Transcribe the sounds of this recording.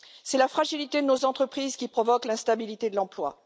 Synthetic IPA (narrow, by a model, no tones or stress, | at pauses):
sɛlafχaʒilit̪ed̪ənozɑ̃t̪χəpχizkʲipχɔvɔklɛ̃st̪abilit̪ed̪əlɑ̃plwa̰